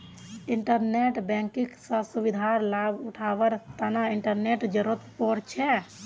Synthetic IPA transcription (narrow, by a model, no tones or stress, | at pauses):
iɳʈəɾneʈbɛ̃ŋkiksəsubid̪ʱaɾlabʊʈʰaːʋəɾt̪ənaɪɳʈəɾneʈd͡ʒəɾət̪poɾt͡ʃʰɛ